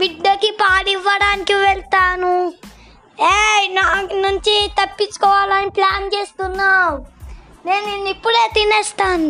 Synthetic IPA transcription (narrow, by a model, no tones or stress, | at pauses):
biɖːɐkipaːɽiʋːɐɽaːnikiʋɛɭt̪aːnu | eːnaːknuɲt͡ʃit̪ɐpːit͡ʃːu̥kɔːʋaːlɐniplaːnt͡ʃe̞ːst̪unːaː | neːninːipːuɽeːt̪inɛːst̪aːn